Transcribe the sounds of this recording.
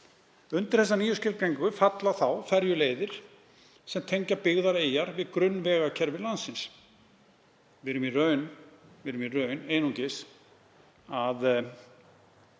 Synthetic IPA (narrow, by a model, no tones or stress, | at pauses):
ʏnt̪ɪɾ̥θɛs̬aniːjʏscɪɾ̚cejŋkʏfat̪laθawfɛɾjʏleːjðɪɾ̥ | sɛmt̪ʰejɲcapɪɣðaɾeːjaɾvɪðkɾʏnːvɛːɣacʰɛɾvɪlansːɪns | vɪɾʏmirœːɥnvɪɾʏmirœɥneːjnuŋcɪs | að